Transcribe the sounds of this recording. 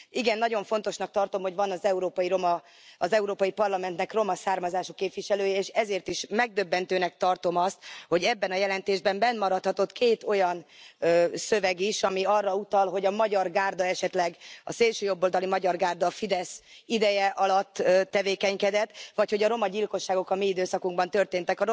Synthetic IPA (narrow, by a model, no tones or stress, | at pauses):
iɡɛnːɒɟoɱfo̞nt̪o̞ʃnɒk̚t̪ɒrt̪o̞mho̞ɟvɒnɒzɛuɾoːpɒjiɾo̞mɒ | ɒzɛuɾoːpɒjipɒrlɒmɛnt̪nɛkro̞mɒsaːrmɒzaːʃokːeːpʋiʃɛløːjɛeːʃɛzeːrt̪iʃmɛɡ̚d̪ø̞bːɛnt̪øːnɛk̚t̪ɒrt̪o̞mɒst̪ho̞ɟɛbːɛnɒjɛlɛnt̪eːʒbɛmbɛnːmɒɾɒt̪hɒt̪o̞t̪keːt̪o̞jɒn | sø̞vɛɡiʃɒmiɒrːɒut̪ɒlɦo̞ɟɒmɒɟɒrɡaːrd̪ɒɛʃɛt̪lɛɡɒ̰seːlʃøːjobːold̪ɒlimɒɟɒrɡaːrd̪ɒfid̪ɛsid̪ɛjɛʔɒlɒt̪ːøt̪ːɛveːkɛɲkɛd̪ɛt̪ːʋɒcho̞ɟɒɾo̞mɒɟilko̞ʃːaːɡo̞kɒmiid̪øːsɒkuŋɡbɒnt̪ø̞rt̪eːnt̪ɛkɒɾ